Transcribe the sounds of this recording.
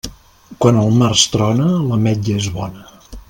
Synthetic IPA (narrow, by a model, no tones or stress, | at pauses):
kwanəlˠmarst̪ɾɔnələmɛd͡ʒəezβɔnə